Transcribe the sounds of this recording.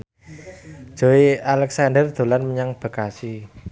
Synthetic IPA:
ʒ̥o̤ialɛksandərd̪̥o̤lanməɲaŋb̥ə̤kasi

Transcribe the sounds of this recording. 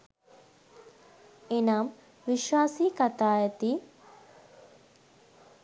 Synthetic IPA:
enaːm | ʋiʃwaːsiːkat̪aːjət̪iː

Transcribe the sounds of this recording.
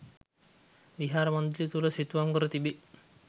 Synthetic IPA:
ʋiɦaːɾəmɔnd̪ilit̪uləsit̪uʋamkəɾət̪ibi

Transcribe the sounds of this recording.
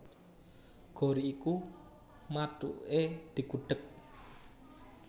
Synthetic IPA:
ɡ̥oɾiːku | maʈṵʔed̪̥i̤kuɖ̥ək̚

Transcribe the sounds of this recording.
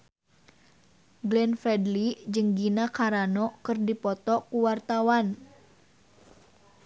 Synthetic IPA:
ɡlɛnfɛdlid͡ʒɨŋɡinakaɾanɔkɨrdipɔt̪ɔkuwart̪awan

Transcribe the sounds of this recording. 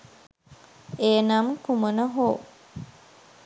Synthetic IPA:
eːnaːmkumunəɦoː

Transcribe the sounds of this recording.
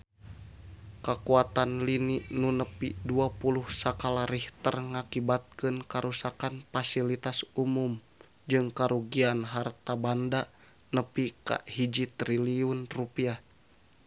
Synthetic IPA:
kakuat̪anliniʔnunəpiduapuluhsakalaɾiht̪ərŋakibat̪̚kɨnkaɾusakanfasilit̪asumum | d͡ʒɨŋkaɾuɡianɦart̪abanda | nəpika̰ʔhid͡ʒit̪ɾiliunrupia

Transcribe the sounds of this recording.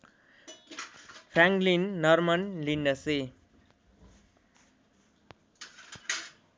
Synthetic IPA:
pʰɾaŋklinːʌɾmʌnlinɖʌse

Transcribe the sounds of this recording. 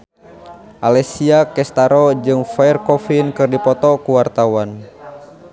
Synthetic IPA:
ʔalɛsiakɛst̪aɾɔd͡ʒɨŋfaɛrkɔfinkɨrdipɔt̪ɔkuwart̪awan

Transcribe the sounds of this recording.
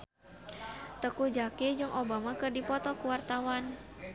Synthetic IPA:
t̪əkud͡ʒakid͡ʒɨŋʔobamakɨrdipɔt̪ɔkuwart̪awan

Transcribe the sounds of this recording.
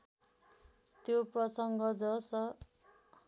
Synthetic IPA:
t̪joprʌsʌŋɡʌd͡zʌsʌ

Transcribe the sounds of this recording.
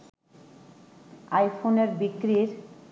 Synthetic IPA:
ajfʰoneɾbikɾiɾ

